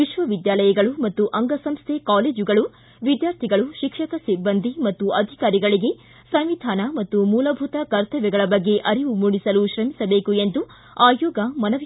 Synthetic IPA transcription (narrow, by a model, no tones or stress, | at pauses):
ʋiʃʋɐʋid̪jaːlɐjɐɡɐɭumɐt̪ːuʔɐŋɡɐsɐmst̪ʰekaːleːd͡ʒuɡɐɭu | ʋid̪jaːɾt̪ʰiɡɐɭuʃikʂɐkɐsibːɐnd̪ʱimɐt̪ːuʔɐd̪ʱikaːɾiɡɐɭiɡe̞ | sɐmʋid̪ʱaːnɐmɐt̪ːumuːlɐbʱut̪ɐkɐɾt̪ʰɐʋɛɡɐɭɐbɐɡːe̞ʔɐɾiʋumuɽisɐluʃɾɐmisɐbe̞ːkue̞nd̪u | aːjɔːɡɐmɐnɐʋ